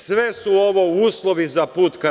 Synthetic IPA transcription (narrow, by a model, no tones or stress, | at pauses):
sʋesuo̞ʋo̞uːslˠoʋizapuːt̪ka